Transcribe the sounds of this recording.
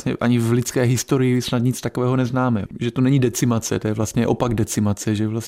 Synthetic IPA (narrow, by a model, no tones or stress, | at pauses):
ɲɛ̰ʔaɲɪvlɪt͡skɛːɦɪst̪o̞ɾɪjɪsnad̪ɲɪt͡st̪akovɛːɦo̞nɛznaːmɛʒɛt̪onɛɲidɛt͡sɪmat͡sɛ̰t̪ojɛvlast̪ɲɛʔo̞paɡdɛt͡sɪmat͡sɛʒɛvlas